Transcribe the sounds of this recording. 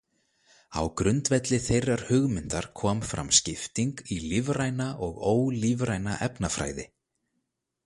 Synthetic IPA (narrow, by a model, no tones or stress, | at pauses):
a̰wkɾʏnt̪vɛt̪lɪθejrːaɾ̥hʏɣmɪnt̪aɾ̥kʰɔːmfɾa̰mscɪft̪iŋkilɪvraːjnaʔɔɣoːwlivɾajnaʔɛpnafɾa̰ːjðɪ